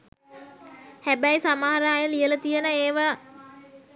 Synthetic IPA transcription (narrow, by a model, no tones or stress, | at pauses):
hæbæjsamaːaɾaːjəlijələt̪ijənəeːʋa